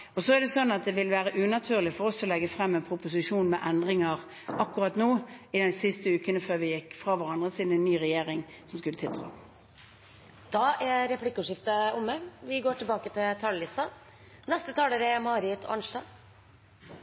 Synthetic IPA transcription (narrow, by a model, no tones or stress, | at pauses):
ɔsɔæɖɛsɔnːɑt̪̚d̪ɛʋɪlʋæːʁəʔʉːnɑt̪ʰyːʁlɪfɔɾɔsɔlɛɡːəfʁɛmːɛnpʰɾʊpʊs̬ɪʂuːnmɛʔɛnd̪ʁɪŋɑʁ | ɑkːʊʁɑt̪noːɪd̪ɛnsɪst̪əʉːkənəføːʁʋɪjɪkːfʁɑʋɑʁɑnd̪ʁəsiːd̪n̩ɛnːyːʁɛjeːʁɪŋsɔmskʉlət̪ʰɪlt̪ʰʁɑ̰ː | d̪̥ɑʔɛɾɛplɪkːʊʂɪft̪əʊmːəʋɪɡoːʈʰɪlbɑːkət̪ʰɪlt̪ʰɑːləlɪst̪ɑ | nɛst̪ət̪ʰɑːləɾəɛmɑːɾɪt̪ʰɔ̰ɑ̰nʂɖɑː